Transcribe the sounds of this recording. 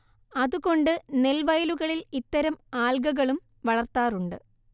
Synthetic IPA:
ɐðuɣo̞ɳɖɨne̞lʋɐjluɣɐɭilit̪ːɐɾɐmaːlɡɐɣɐɭum | ʋɐɭɐrt̪aːruɳɖɨ̰

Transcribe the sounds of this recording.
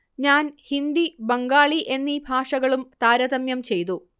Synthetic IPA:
ɲaːnhind̪ibɐŋɡaːɭiʔe̞nːibʱaːʂɐɣɐɭumt̪aːɾɐðɐmjɐmt͡ɕe̞jt̪u

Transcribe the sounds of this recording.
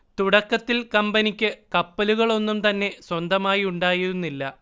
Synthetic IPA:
t̪uɽɐkːɐt̪ːilkɐmbɐnikʲːɨkɐpːɐluɣɐɭo̞nːumt̪ɐnːe̞swɐnd̪ɐmaːjiuɳɖaːjiɾunːilːɐ

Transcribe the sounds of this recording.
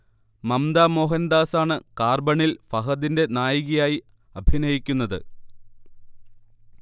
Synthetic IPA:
mɐmd̪aːmo̞ːɦɐnd̪aːsaːɳɨkaːrbɐɳilfɐɦɐðinde̞naːjiɣijaːji | ɐbʱinɐjikʲːunːɐðɨ̰

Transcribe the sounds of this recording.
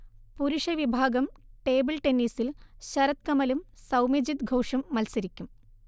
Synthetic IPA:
puɾuʂɐʋibʱaːɡɐmʈeːbɨlʈenːiːsilɕɐɾɐt̪̚kɐmɐlumsɐwmed͡ʑit̪ɡʱoːʂɐmːɐlsɐɾikʲːum

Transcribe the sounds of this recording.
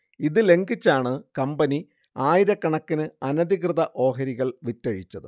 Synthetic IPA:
iðɨle̞ŋɡit͡ɕːaːɳɨkɐmbɐni | aːjiɾɐkːɐɳɐkːinɨɐnɐd̪iɣrɨðɐʔo̞ːɦɐɾiɣɐɭʋitːɐɻit͡ɕːɐðɨ

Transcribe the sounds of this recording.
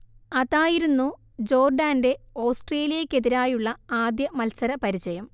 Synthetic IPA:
ɐðaːjiɾunːu | d͡ʑo̞ːrɖaːnde̞o̞ːsʈreːlijɐkʲːe̞ðiɾaːjuɭːɐaːd̪jɐmɐlsɐɾɐpɐɾit͡ɕɐjɐm

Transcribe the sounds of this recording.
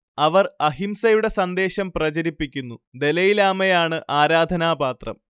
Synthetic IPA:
ɐʋɐrɐɦimsɐjuɽe̞sɐnd̪e̞ːɕɐmprɐt͡ɕɐɾipːikʲːunːud̪e̞lɐjilaːmɐjaːɳɨʔaːɾaːd̪ʱɐnaːbaːt̪rɐ̰m

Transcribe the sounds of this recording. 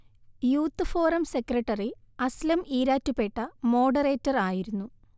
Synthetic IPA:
juːt̪ːɨfoːrɐmse̞krɐʈːɐriɐslɐmiːɾaːtːupeʈːɐmo̞ːɖɐre̞ːtːɐraːjiɾunːu

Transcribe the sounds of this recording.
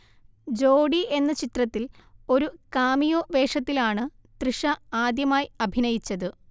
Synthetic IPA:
d͡ʑo̞ːɽie̞nːɐt͡ɕit̪rɐt̪ːilo̞ɾukaːmijoːʋe̞ːʂɐt̪ːilaːɳɨ | t̪riʂɐaːd̪jɐmaːjɐbʱinɐjit͡ɕːɐðɨ

